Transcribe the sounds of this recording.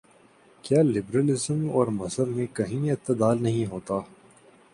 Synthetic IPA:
kjaːlɪbɾəlɪzəmɔːɾmɐsəɾmẽkɐɦĩɪt̪ːɪd̪aːlnɐɦĩɦoːt̪aː

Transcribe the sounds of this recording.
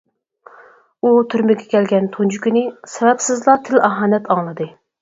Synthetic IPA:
ut̪ʰyɾmɪɡʲɛkʲɛlɡʲɛnt̪ʰond͡ʒukʲinɪsɛvɛpsɪzlˠɑt̪ʰɪlɑɦɑːnɛt̪ʰɑŋlˠɨd̪ɨ

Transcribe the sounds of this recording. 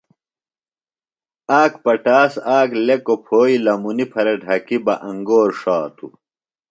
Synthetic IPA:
aːkpɐʈaːsaːklekopʰoːilɐmunipʰɐɾeɖʱɐkibɐʔɐŋɡoːɾʂaːt̪ʰu

